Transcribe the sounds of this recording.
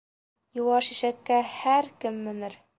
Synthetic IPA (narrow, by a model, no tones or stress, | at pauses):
juwɑʃiʃæt̪̚kːæhæɾkɘmːɘ̆nɘɾ